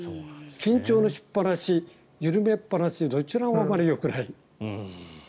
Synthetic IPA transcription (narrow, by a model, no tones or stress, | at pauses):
okʲĩɲt͡ɕo̞ːno̞ɕi̥pːaɾaɕi | jɯɾɯ̟me̞pːaɾaɕiid̪o̞t͡ɕiɾaːmaɾʲijo̞kɯ̟nai